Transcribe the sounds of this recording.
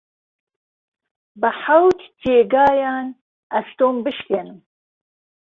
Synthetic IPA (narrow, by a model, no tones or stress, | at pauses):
bɨħawt̪t͡ʃeːɡɑːjɑːn | ɐst̪oːmbɨʃkenɨm